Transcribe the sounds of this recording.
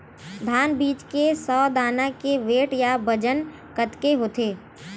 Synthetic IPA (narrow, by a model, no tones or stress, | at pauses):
d̪ʱaːnbiːt͡ʃkesɔːd̪aːnakeʋeːʈjabəd͡ʒən | kət̪keɦoːt̪ʰeː